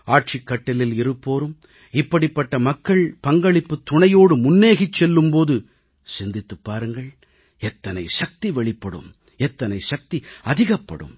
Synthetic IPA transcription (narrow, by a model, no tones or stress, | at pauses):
aːʈ̚t͡ʃikːɐʈːɐlɪlɪɾɯpːoːɾɯm | ɪpːɐɽɪpːɐʈːɐmɐkːɐɭpɐŋɡɐɭɪpːɯt̪ʊɳɐjoːɽɯmʊnːeːɣɪt͡ʃːɛlːɯmpoːðɯ | sɪnd̪ɪt̪ːɯpːaːɾɯŋɡɐɭ | ɛt̪ːɐnɐɪʂɐk̚t̪iʋɛɭɪpːɐɽɯ̰m | ɛt̪ːɐnɐɪʂɐk̚t̪iɐðɪɣɐpːɐ̰ɽɯ̰m